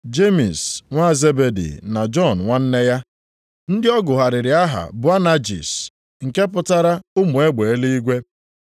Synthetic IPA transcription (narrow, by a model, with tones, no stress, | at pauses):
d͡ʒe˦mi˨sŋʷa˦˨ze˦be˨dḭ˨na˨d͡ʒɔ˦˨n̩˨ŋʷa˦n̩˦ne˦ja˦ | n̩˦dɪ˦ɔ˦ɡʊ˨ɦa˨ɾɪ˨ɾɪ˨a˦ɦa̰˨bʊ˨˦a˦na˦d͡ʒḭ˨s | ŋ̩˨ke˦p̬ʊ˦ta˦ɾa˦ʊ˦mu˨e˦ɡ͡be˨e˦li˦i˦ɡʷe˦